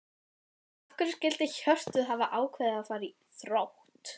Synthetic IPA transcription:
afkʏɾɪscɪlt̪ɪçœr̥t̪ʏðɦavaʔaːwkʰvɛðafaːɾi | θɾawht̪

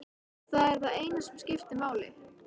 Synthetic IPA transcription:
θaðɛɾθaðeːjnasɛmscɪft̪ɪmaːwlɪ̰

